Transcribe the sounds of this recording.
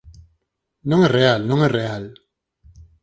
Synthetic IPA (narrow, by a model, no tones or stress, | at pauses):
nɔŋɛrealnɔŋɛreal